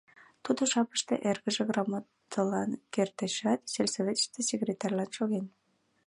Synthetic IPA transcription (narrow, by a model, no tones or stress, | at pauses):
t̪ud̪oʃɑpə̥ʃt̪ḛʔerɣəʒeɣrɑmɑt̪əlɑnkert̪əʃɑt̪selʲsovʲet̪t̪esʲekrʲet̪ɑrʲlɑnʃoɣen